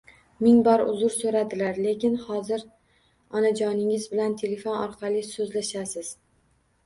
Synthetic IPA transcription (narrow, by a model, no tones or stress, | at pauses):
mɪŋbɒɾʊ̰zʊɾsɵɾad̪ɪlaɾle̞kʲɪnhɒzɪɾ | ɒnad͡ʒɒnɪŋɪzbɪlant̪ʰe̞le̞fonɒɾqʰɑlisɵzlaʃasɪz̥